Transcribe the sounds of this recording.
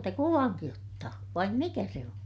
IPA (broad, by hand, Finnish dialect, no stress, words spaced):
te kuʋɑŋki otːɑː ʋɑim mikæ se on